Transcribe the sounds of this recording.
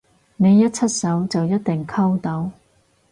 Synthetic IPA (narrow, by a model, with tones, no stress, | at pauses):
ne˨˧jːɐ˥t̚t͡sʰɐ˥t̚sɐ˨˥wt͡sɐ˨wjɐ˥t̚t̪ɪ˨ŋkʰɐ˥wt̪ɐ˨˥w